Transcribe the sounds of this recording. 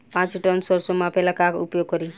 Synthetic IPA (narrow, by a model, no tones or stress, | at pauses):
pãt͡siʈʌnsʌɾsʌmapelakakupjoɡ̚ːʌɾi